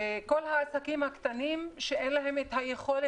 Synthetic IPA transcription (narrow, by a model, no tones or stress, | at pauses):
eko̞lhaːsakimhakt̪animʃeenlaɦe̞met̪hajeχo̞le